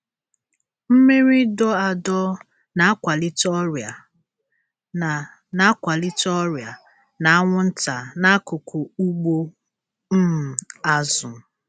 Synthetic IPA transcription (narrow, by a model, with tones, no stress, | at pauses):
m̩˦me˦ɾi˦dɔ˦a˨dɔ˦ | na˨a˦kʷa˨li˦tɔ˦ɾja˨ | a˨ | na˦kʷa˨li˦tɔ˦ɾja˨ | na˨a˦ŋʷʊ˦n̩˦ta˨na˦kʊ˨kʰʊ˨u˦ɡ͡bo˦ | m̩˦m̩˨a˦zʊ˨